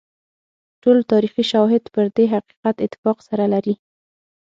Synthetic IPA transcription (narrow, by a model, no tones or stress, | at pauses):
ʈolt̪ɑɾixiʃawɦɪd̪pəɾd̪eɦaqi̥qat̪ɪt̪ːɪ̥fɑqsaɾalaɾi